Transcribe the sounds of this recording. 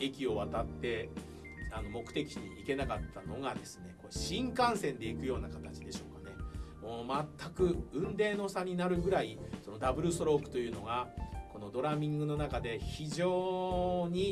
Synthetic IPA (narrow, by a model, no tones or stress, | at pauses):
e̞kʲio̞βat̪at̪ːe̞ | ano̞mo̞kɯ̟̥e̞kʲiɲ̟iike̞nakat̪ʰːano̞ɡad̪e̞sɨ̥ne̞ko̞ɕĩŋkãɰ̃sẽ̞nd̪e̞ikɯ̟jo̞ːnakat̪at͡ɕid̪e̞ɕo̞ːkane̞moːmat̪ʰːakɯ̟ɯ̟̃nd̪e̞ːnoːsaɲ̟ːinaɾɯ̟ɡɯ̟ɾaiso̞no̞d̪abɯ̟ɾɯ̟so̞ɾo̞kːɯ̥t̪o̞jɯ̟ːno̞ɡako̞no̞d̪o̞ɾamʲĩŋɡɯ̟no̞nakad̪e̞çiʑo̞ːɲ̟i